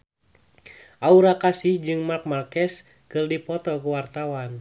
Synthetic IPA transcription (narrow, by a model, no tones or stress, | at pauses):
ʔauɾakasihd͡ʒɨŋmark̚markɛs | kərdipɔt̪ɔkuwart̪awan